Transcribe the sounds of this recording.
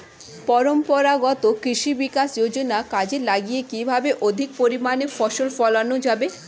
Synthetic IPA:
pɔɾompɔɾaɡɔt̪okɾiʃibikasd͡ʑod͡ʑonakad͡ʑelaɡijekibʱabeʔod̪ʱik̚poɾimanefɔʃolfɔlanod͡ʑabe

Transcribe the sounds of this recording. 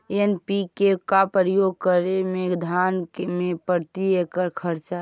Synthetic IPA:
enpikekapɾəjoɡ̚kəɾemeɡd̪ʱankmepəɾt̪iekəɾkʰəɾt͡ʃa

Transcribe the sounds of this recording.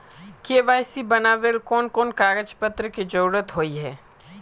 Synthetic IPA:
keːʋaːjsibɐnaːʋelkɔːnkɔːnkaːɾəd͡ʒpət̪ɾəkid͡ʒəɾuːɾət̪ɦoːiɦɛː

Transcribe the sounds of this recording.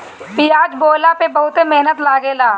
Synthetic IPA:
bɪjaːd͡ʒboːlapebəɦʊt̪emeɦnət̪laːɡelaː

